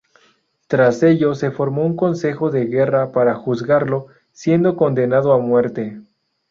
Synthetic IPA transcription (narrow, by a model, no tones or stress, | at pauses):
t̪ɾase̞ʝo̞se̞fo̞ɾmo̞uŋko̞nse̞xo̞ðe̞ɣe̞rapaɾaxuzɣaɾlo̞ | sje̞nd̪o̞ko̞nd̪e̞naðoamwe̞ɾt̪e̞